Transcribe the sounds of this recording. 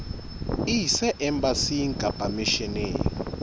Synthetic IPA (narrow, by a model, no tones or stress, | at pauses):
isɛʔɛmbasiŋkʼab̥ʱamiʃɛnḛː